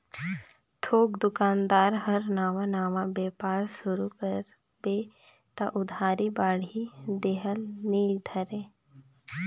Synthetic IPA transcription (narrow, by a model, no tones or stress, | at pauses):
t̪ʰoːkd̪ʊkaːnd̪aːɾɦəɾnaːʋãnaːʋãbeːpaːɾsʊɾukəɾ | beː | t̪aʔʊd̪ʱaːɾibaːɽ̤id̪eɦəlniːd̪ʱəɾẽː